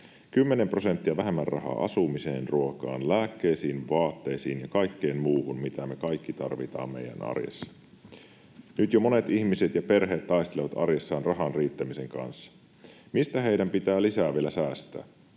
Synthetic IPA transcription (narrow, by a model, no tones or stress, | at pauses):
kymːenempro̞se̞nt̪ːiæʋæɦemːærrʔɑɦɑ̰ʔɑ̰sumiseːnruokɑ̰ːnlæːkːejsiːnʋɑːt̪ːe̞jsiːnjɑkɑjkːeːnmuːhunmit̪æme̞kɑjkːit̪ɑrʋit̪ɑ̰ːmmḛjæ̰nɑ̰rjḛsːɑ̥ | nyt̪jomo̞ne̞t̪içmiset̪jɑpe̞rɦe̞ːt̪t̪ːɑjst̪eleʋɑt̪ɑ̰rjesːɑːnrɑɦɑnriːt̪ːæmise̞ŋkɑ̰nsːɑ̥ | mist̪æɦe̞idæmpit̪æːlisæːʋielæsæːst̪æ̰ː